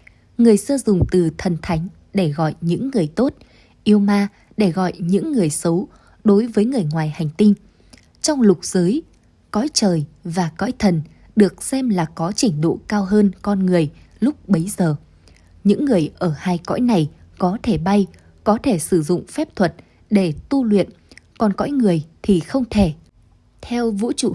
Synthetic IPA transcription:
ŋɨ˨˩əjsɨː˧zʊ˨˩ŋ͡mt̪ɨ˨˩t̪ʰə˨˩nt̪ʰa˨˦jŋ̟ | ɗe˧˩ɣɔ̰˧˨jɲɨ̰˧˥ŋːɨ˨˩əjt̪o˦˥t̚ | ʔi˧əwmaː˧ | ɗe˧˩ɣɔ̰˧˨jɲɨ̰˧˥ŋːɨ˨˩əjsə˨˦w | ɗo˨˦jvəː˨˦jŋɨ˨˩əjŋwaː˨˩jha˨˩jŋ̟t̪ï˧ŋ | t͡ɕɔ˧wŋ͡mlʊ˨˩k͡p̚z̥əː˨˦j | kɔ̰˧˥jt͡ɕəː˨˩jvaː˨˩kɔ̰˧˥jt̪ʰə˨˩n | ɗɨ˨˩ək̚sɛ˧mlaː˨˩kɔ˨˦t͡ɕï˧˩ŋ̟ɗo̰˧˨kaː˧wɦəː˧nkɔ˧nŋɨ˨˩əj | lʊ˦˥k͡p̚ɓə˨˦jzəː˨˩ | ɲɨ̰˧˥ŋːɨ˨˩əjʔəː˧˩haː˧jkɔ̰˧˥jna˨˩j | kɔ˨˦t̪ʰe˧˩ɓa˧j | kɔ˨˦t̪ʰe˧˩sɨ˧˩zʊ̰˧˨ŋ͡mfɛ˦˥p̚t̪ʰwə˨˩t̚ | ɗe˧˩t̪u˧lwḭ˧˨ən | kɔ˨˩nkɔ̰˧˥jŋɨ˨˩əjt̪ʰi˨˩xə˧wŋ͡mt̪ʰe˧˩ | t̪ʰɛ˧wvṵ˧˥t͡ɕṵ˧˨

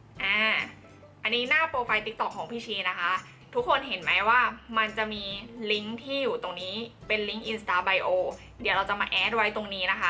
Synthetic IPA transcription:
ʔaː˧˩ | ʔa˧nːiː˦˥naː˥˩poː˧fa˧jt̪i˦˥k̚t̪ɔ˨˩kʰːɔː˩˦ŋpʰiː˧˩t͡ɕʰiː˧na˦˥kʰa˦˥ | t̪ʰu˦˥kʰːo˧nɦe˩˦nma˦˥jwaː˥˩ma˧nt͡ɕa˨˩miː˧li˦˥ŋt̪ʰiː˥˩juː˨˩t̪o˧ŋniː˦˥pe˧nli˦˥ŋʔi˧nst̪aː˧ba˧jʔoː˧ | di˨˩˦wɾa˧wt͡ɕa˨˩maː˧ʔɛː˨˦˥t̚wa˦˥jt̪o˧ŋniː˦˥na˦˥kʰa˦˥

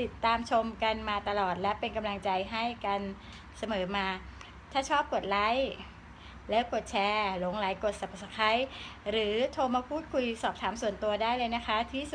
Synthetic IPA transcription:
t̪i˨˩t̪ːaː˧mt͡ɕʰo˧mka˧nmaː˧t̪a˧lɔː˨˩t̪̚lɛ˦˥pe˧nka˧mla˧ŋt͡ɕa˧jɦa˥˩jka˧n | sa˧mɤː˩˦maː˧ | t̪ʰaː˥˩t͡ɕʰɔː˥˩p̚ko˨˩t̪̚la˦˥j | lɛː˦˥wko˨˩t̪̚t͡ɕʰɛː˧lo˩˦ŋla˩˦jko˨˩t̪̚sa˨˩pʰsa˧˩kʰa˦˥jɾɯː˩˦t̪ʰoː˧maː˧pʰuː˥˩t̪̚kʰu˧jsɔː˨˩p̚t̪ʰaː˩˦msu˨˩ənt̪u˧ɐdaː˥˩jlɤː˧jna˦˥kʰa˦˥t̪ʰiː˥˩u˨˩

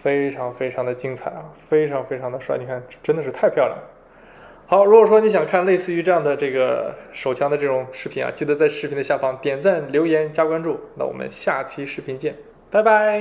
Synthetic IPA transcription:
fe˥ɪʈ͡ʂʰɑ˧˥ŋfe˥ɪʈ͡ʂʰɑ˧˥ŋd̪ə˧t͡ɕi˥ŋt͡sʰa˨˩ɪɐ˦˩fe˥ɪʈ͡ʂʰɑ˧˥ŋfe˥ɪʈ͡ʂʰɑ˧˥ŋd̪ə˧ʂwa˥˩ɪni˨˩kʰa˥˩nʈ͡ʂə˥nd̪ə˨˩ʂɻ̩˥˧t̪ʰa˥˧ɪpʰjʊljɑ̰˥˩ŋd̪ə˩ | xɑ˧˥ʊɻu˥kwɔ˨˩ʂwɔ˥ni˧˥ɕ̬jɑ˨˩ŋkʰa˥˧nle˥˧ɪsɹ̩˥˩y˧˥ʈ͡ʂɤ˥˧jɑ˥˩ŋd̪ə˩ʈ͡ʂɤ˥˩ɡə˩ʂo˨˩ʊt͡ɕʰjɑ˥ŋd̪ə˧ʈ͡ʂɤ˥˩ʈ͡ʂʊ˨˩˦ŋʂɻ̩˥˩pʰi˧˥na̰˧˩t͡ɕi˥˧˩d̪ə˧˩t͡sa˥˧ɪʂɻ̩˥˩pʰi˧˥nd̪ə˧ɕja˥˩fɑ˥˩ŋt̪jɛ˨˩nt͡sa˥˩nljo˧˥ʊjɛ˧˥nt͡ɕja˥kwa˥nʈ͡ʂu˥˩na̰˥˩wɔ̰˨˩mə̰˦nɕja˥˩t͡ɕʰi˥ʂɻ̩˧˥˩pʰi˧˥nt͡ɕjɛ˥˩n | pa˥˩ɪpa˥ɪ

